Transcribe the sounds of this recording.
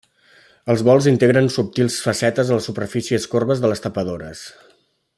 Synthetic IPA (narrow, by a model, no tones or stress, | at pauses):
əlˠzβɔlˠzint̪eɣɾənsup̚t̪ilˠsfəsɛt̪əzələsupərfisiəskorβəzðələst̪əpəðoɾəs